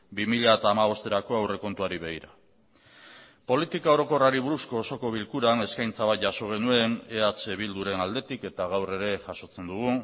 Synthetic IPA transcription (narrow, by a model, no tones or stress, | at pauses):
bimiʎaet̪aːmaβ̞o̞st̪e̞ɾako̞awre̞ko̞nt̪uaɾiβe̞ɣiɾa | po̞lit̪ikao̞ɾo̞koraɾiβuɾusko̞ːso̞ko̞β̞ilkuɾane̞skajnt͡saβ̞at̪ʝaso̞ɣ̞e̞nue̞ne̞at͡ʃe̞β̞ild̪uɾe̞nald̪e̞t̪ike̞t̪aɣ̞awre̞ɾe̞ʝaso̞t͡se̞nd̪uɣ̞u